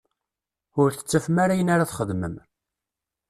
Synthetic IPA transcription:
ʊɾθə̥t͡sːæfəmaɾajənaɾaθχəðməm

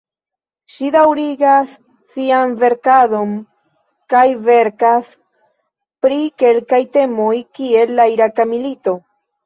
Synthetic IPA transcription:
ʃid̪awɾiɡasː | ianve̞ɾkado̞n | kajve̞ɾkas | pɾike̞lkajte̞mo̞jkie̞lːaiɾakamilito̞

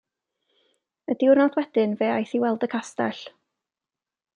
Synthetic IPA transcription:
ədɪwrnɔdwɛd̥ɪnveːajθiwɛlˠdəkʰasta̰ɬ

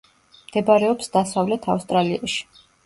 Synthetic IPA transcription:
md̪̥ɛbaɾɛɔpsd̪̥asavlɛt̪ʰafst̪ʼɾaliaʃi̥

